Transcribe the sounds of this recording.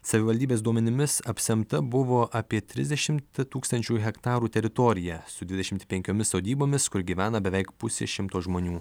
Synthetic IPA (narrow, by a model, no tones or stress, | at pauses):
sɐʋʲɪʋɐlʲd̪ʲiːbʲeːsd̪uɔmʲɛnʲɪmʲɪsɐpʲsʲɛmt̪ɐbʊʋoːʔɐpʲiɛt̪ʲɾʲɪ̰zd̪ʲɛʃʲɪmt̪t̪uːkst̪ɐnʲt͡ʃʲuːɦʲɛkt̪ɑːɾuːt̪ʲɛɾʲɪt̪ɔɾʲɪjɛːsʊd̪ʲʋʲɪd̪ʲɛʃʲɪmt̪pʲɛŋʲkʲoːmʲɪssoːd̪ʲiːboːmʲɪskʊɾɡʲiːʋʲæːnɐbʲɛʋʲɛɪkpʊsʲḛʃʲɪmt̪oːʒmoːnʲuː